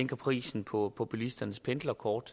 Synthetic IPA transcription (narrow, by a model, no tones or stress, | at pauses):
eŋ̰ɡ̥ɐpʰʁḭːsn̩pʰɒ̽pʰo̝pʰulisd̥ɐnəspʰend̥lɐkʰɒːd̥